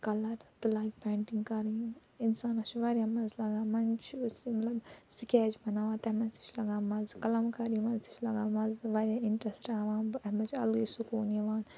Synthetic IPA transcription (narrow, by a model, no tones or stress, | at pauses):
kɐlɐɾt̪laːɡʲpɛːɳʈiŋɡkɐɾiinsaːnɐt͡ʃʰʋaːɾʲjãmɐzlɐɡaːmɐnt͡ʃʰsmɐt̪lɐbsikʲeːd͡ʒbɐnaːʋãːt̪ɐmɐsi̥t͡ʃʰlɐɡaːmɐzkɐlɐmkɐɾiʋɐnsi̥t͡ʃʰlɐɡaːmɐzʋaːɾjãːiɳʈɾɐsɾaːʋãːnmɐt͡ʃʰɐ̰lɡisukuːniʋaːn